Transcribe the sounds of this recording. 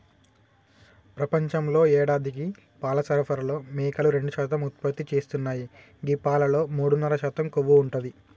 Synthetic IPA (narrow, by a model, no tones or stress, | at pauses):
pɾɐpɐɲt͡ʃɐmlo̞ːɛːɽaːd̪ik̬i | paːlɐsɐɾɐpʰɐɾɐlo̞ːmɛːkɐluɾe̞ɳɖuʃaːt̪ɐmut̪̚pɐt̪ːit͡ʃeːst̪unːaːji | ɡipaːlɐlo̞ːmuːɽunːɐɾɐʃaːt̪ɐmkoʋːuːɳʈund̪i